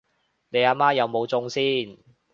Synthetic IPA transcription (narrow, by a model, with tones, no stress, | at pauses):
ne˨˧jaː˧maː˥jɐ˨˧wmo˨˧wt͡sʊ˧˥ŋsiː˥˩n